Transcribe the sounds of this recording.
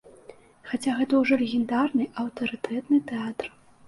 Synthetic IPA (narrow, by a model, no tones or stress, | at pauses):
xat͡sʲaɣɛt̪ɐwʐɔlʲɛɣʲɛnd̪arnɨʔɐwt̪ɐɾɨt̪ʰɛt̪nɨt̪ɛat̪r